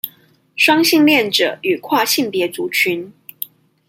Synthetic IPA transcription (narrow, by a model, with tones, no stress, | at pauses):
ʂwɑ˥ŋɕi˥˧ŋljɛ˥˨nʈ͡ʂɤ̰˨˩˦y˨˩kʰwa˥˧ɕi˥˩ŋpjɛ˧˥t͡su˧˥t͡ɕʰy˧˥n